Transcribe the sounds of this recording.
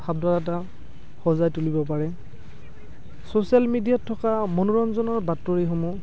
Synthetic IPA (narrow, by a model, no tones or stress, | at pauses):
hab̚daɹata | xɔzajtulibɔp̬aɹɛ | sosialmidijatʰːɔkamonuɹɔnzɔnɔɹbatːoɹixomu